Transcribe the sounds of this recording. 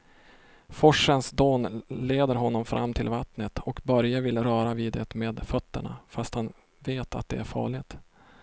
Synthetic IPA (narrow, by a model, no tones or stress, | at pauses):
fɔʂənsd̪oːnleːd̪əɾɦɔnːɔmfɾʔa̰mːt̪ʰɪlvat̪nət̪ʰɔkbœɾjavɪlɾœːɾaviːd̪ɛ̰t̪meːd̪fœt̪ːə̰ɳa̰fast̪han | veːt̪ʰa̰t̪̚d̪ɛ̰æɾfɑ̰ːɭɪɡt̪